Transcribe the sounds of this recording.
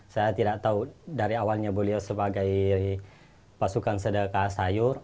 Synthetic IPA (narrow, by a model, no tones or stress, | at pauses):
sajat̪idaʔt̪audaɾiawalɲaboliasəbaɡaj | pasukansədəkasajʊr